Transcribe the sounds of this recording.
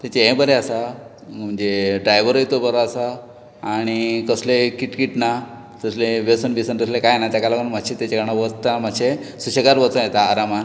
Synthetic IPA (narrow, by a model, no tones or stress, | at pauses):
t̪at͡ɕeẽbəɾeasa | m̤əɳd͡zeɖɾajʋəɾojt̪obəɾaasaː | ɽ̃ikəslekiʈkiʈna | təsleʋesənʋisənɡəslekajnat̪jakalakəɳm̤aɕet̪at͡ɕekaɽ̃aʋəɾt̪ːam̤aɕesuɕeɡaɾʋət͡səjet̪aːɾaman